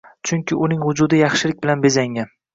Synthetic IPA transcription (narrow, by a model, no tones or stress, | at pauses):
t͡ʃʰʊŋkʲɪʔʊnɪŋvʊd͡ʒʊd̪ɪjɑχʃɪlɪk̚ʲbɪlanbe̞zaŋʲan